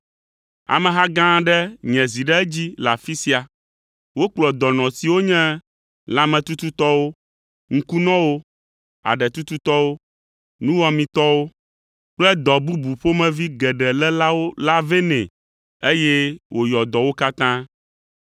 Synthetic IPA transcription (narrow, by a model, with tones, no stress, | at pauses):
a̰˨mɛ̃˨ɦa˦ɡã˦ɖɛ˦ɲɛ̃˨zi˨ɖɛ˦ɛ˦d͡ʑi˦la˨fi˦si˦a˨ | wo˦k͡plɔ˨d̪ɔ˨nɔ̃˨si˨wo˦ɲɛ̃˦ | lã˨mɛ̃˨t̪u˦t̪u˦t̪ɔ˦wo˦ | ŋ̩˦ku˦nɔ̃˦wo˦ | a̰˨ɖɛ˨t̪u˦t̪u˦t̪ɔ˦wo˦ | nũ˦wɔ˨mĩ˨t̪ɔ˦wo˦ | k͡plɛ˦d̪ɔ˨bu˦bu˨ɸo˦mɛ̃˨vi˦ɡɛ˨ɖɛ˨lɛ˦la˦wo˦la˦ve˦nɛ̰̃˨ | e˦jɛ˦wʔo˨jɔ˨d̪ɔ˨wo˦ka˦t̪ã˦